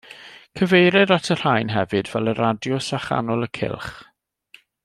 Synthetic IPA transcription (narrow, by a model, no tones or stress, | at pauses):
kʰəvejɾɛɾatʰər̥ajnɦɛvɨdvɛlˠəɾadjɔsaχa̰nɔlˠəkʰɪ̰lˠχ